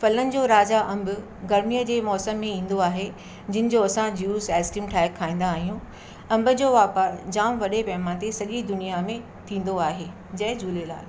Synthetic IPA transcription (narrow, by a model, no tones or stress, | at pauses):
fɐlənɪ̆d͡ʑoːɾaːd͡ʑaʔɐ̃mbʊ | ɡɐɾmijəd͡ʑeːmɔːsəmːẽĩːn̆d̪oaːɦe | d͡ʑɪnɪ̆d͡ʑoɐsãd͡ʑuːsɛːsʈĩːmʈʰaːɪkʰːaːĩːn̆d̪aːɦijũ | ɐ̃mbʊ̆d͡ʑoːʋaːpaːɾd͡ʑãːmʋɐɗepɛːmãt̪esɐʄid̪ʊnijamẽ | t̪ʰĩːn̆d̪oaːɦeː | d͡ʑɐɦɪd͡ʑʱuːlela̰ːl